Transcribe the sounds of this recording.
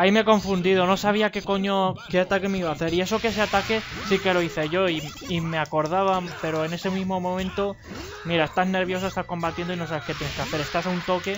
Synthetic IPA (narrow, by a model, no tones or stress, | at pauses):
aimeeko̞ɱfund̪iðo̞no̞saβ̞iake̞ko̞ɲoke̞at̪ake̞me̞iβaːθe̞ɾie̞so̞kes̬e̞at̪ake̞sike̞lo̞iθe̞ʝo̞i | imeako̞ɾð̞aβ̞ampe̞ɾo̞e̞ne̞se̞mĩzmo̞mõmẽ̞nt̪o̞ | miɾae̞st̪azne̞ɾβ̞jo̞s̬oest̪asko̞mbat̪je̞nd̪oino̞saβe̞ke̞t̪jene̞skeaθe̞ɾe̞st̪asaunt̪o̞ke̞